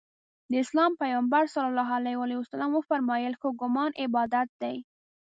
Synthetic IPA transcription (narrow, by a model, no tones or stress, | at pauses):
d̪əɪslɑmpajɑmbaɾsalɑlːɑɦalajwɑliwasalamwəfaɾmɑjəlxoɡʊmɑnʔɪbɑd̪at̪̚d̪aj